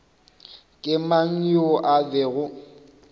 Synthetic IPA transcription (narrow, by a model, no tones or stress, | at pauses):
kʼɪmaŋ̩jʊʔabeɣʊ